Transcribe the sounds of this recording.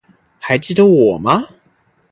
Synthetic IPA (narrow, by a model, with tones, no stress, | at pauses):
xa˧˥ɪt͡ɕi˥˩d̪ə˦wɔ˨˩mɐ˦